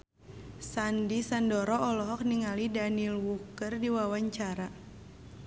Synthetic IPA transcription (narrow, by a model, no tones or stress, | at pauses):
sandisandɔɾɔʔɔlɔɦɔk̚niŋalidanilwukərdiwawaɲt͡ʃaɾa